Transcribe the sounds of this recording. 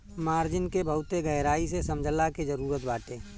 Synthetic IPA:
maːɾd͡ʒɪnkebʱəʊt̪eɡəːɾaːisesəmd͡ʒʱəlaked͡ʒəɾuːɾət̪baːʈeː

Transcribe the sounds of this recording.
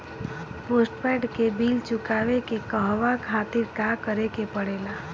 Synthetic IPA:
posʈpɛʈkebilt͡ʃʊkaʋekekəɦʋakʰat̪ɪɾkakəɾekepəɽela

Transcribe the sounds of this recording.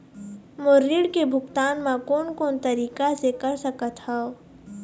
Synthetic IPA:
mʊɾːiɽkebʱʊkt̪aːnmãkoːnkoːnt̪ɐɾiːkasekɐɾsɐkət̪hao

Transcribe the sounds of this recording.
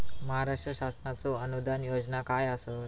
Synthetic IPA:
məɦaɾaʂʈɾəɕasnat͡sɔənud̪anjod͡znakajasot̪

